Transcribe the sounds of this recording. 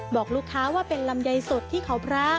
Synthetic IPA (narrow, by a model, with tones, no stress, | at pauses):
bɔː˨˩k̚luː˥˩kʰːaː˦˥waː˥˩pe˧nla˧mja˧jso˨˩t̪ʰːiː˥˩kʰa˩˦wpʰɾaː˦˥˩